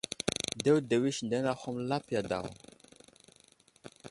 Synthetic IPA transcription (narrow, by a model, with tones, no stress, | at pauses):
de˦wde˨wi˦ʃnde˦na˦ho˦mla˦pja˨da̰˨w